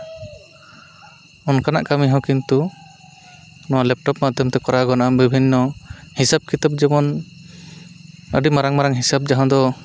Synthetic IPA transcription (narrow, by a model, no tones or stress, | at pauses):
ɔnkana̰ʔkamiɦɔ̃kint̪u | nɔwalɛp̚ʈɔpmad̪ʱjɔmt̪ɛkɔɾaɡɔnaʔambibʱinːɔhisab̚kʰit̪ap̚d͡ʒɛmɔn | əɖimaɾaŋmaɾaŋɦisab̚d͡ʒaɦɔ̃d̪ɔ